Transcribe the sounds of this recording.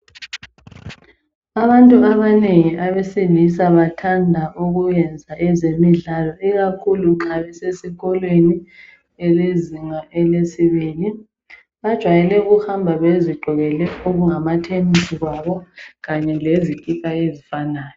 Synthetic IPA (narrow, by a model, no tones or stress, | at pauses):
aβantʼuaβaneŋiʔaβesilis̬aβatʰandʱaʔuɣujɛnd͡zʱaʔɛzemiɮalɔʔiɣakʰuluǃʰaβɛsesiɣɔlweni | eliziŋaʔelesiβiːli | βad̥ʒ̥ʱwajɛlɛuɣuhambʱaβeziɡ͡ǃʱɔɣɛlɛoɣuŋamatʰemisiɣwaβɔɣaɲɛlezikʼikʼaezifanaːjɔ